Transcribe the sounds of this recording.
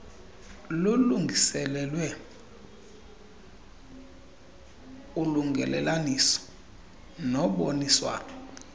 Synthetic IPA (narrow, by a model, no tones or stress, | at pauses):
luluŋɡʱisɛlɛlwɛ | uluŋɡʱɛ̰lɛlanisɔ̥ | nɔɓoniswa̰ːnɔ